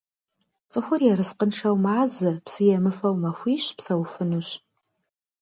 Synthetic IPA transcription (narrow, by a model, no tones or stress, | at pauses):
t͡sʼɨxʷʊrjɛɾɨsqənʂʰɐwmaːzɨpsɨjɛmɨfɐwmɐxʷiːɕpsɐwfɨnuɕ